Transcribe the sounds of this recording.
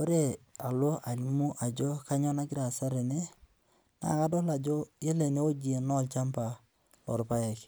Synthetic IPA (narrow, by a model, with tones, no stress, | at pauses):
o˦ɾe˦a˨lo˦ʔa˨li˨˦mu˦ʔa˨d͡ʒo˦ka˦ɲɔ˦na˦ɡɪ˦ɾa˨sa˦ɾe˨ne˦ | na̰˨ka˦dɔ˦la˨d͡ʒo˦je˦le˨ne˦o˦d͡ʒi˦e˨nɔ˦˨lt͡ʃa˦mpa˨ | lɔ̰˨ɾpa˦jɛ˨k